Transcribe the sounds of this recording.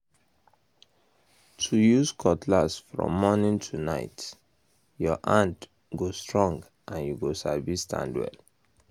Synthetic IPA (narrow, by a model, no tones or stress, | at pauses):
tʰujuskʰɔtʰlasfɹɔ̰̃mːɔnĩntʰunaɪt | jɔʔãnt | ɡostʰɹɔ̃ŋɡ | ʔãnjuɡosavistʰã̰ndwɛ̰l